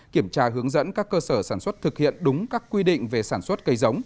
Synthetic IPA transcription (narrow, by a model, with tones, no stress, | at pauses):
ki˧˩əmt͡ɕaː˧ɦɨ˨˦əŋzə̰˧˥nkaː˦˥kːəː˧səː˧˩saː˧˩nswə˦˥t̚t̪ʰɨ˨˩k̚hḭ˧˨ənɗʊ˨˦ŋ͡mkaː˦˥kːwi˧ɗḭ̈˧˨ŋ̟ve˨˩saː˧˩nswə˦˥t̚kə˨˧jzə˨˦wŋ͡m